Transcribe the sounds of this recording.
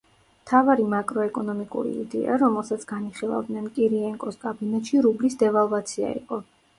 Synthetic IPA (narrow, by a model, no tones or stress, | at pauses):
mt̪ʰavaɾimakʼɾɔɛkʼɔnɔmikʼṵɾḭḭd̪ɛ̰a̰ɾɔmɛlˠsat̪sʰɡaniχilˠa̰vd̪nɛnkʼiɾiɛŋkʼɔskʼabinɛt̪ʃiɾublisd̪ɛvalˠvat̪sʰia̰ḭqʼɔ